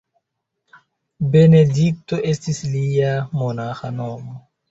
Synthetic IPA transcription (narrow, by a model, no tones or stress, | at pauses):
benedik̚toʔestislijamonaxanɔmɔ